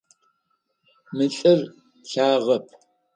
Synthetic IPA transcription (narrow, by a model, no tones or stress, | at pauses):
mɨɬʼɨr | ɬaːʁɐp̚ʰ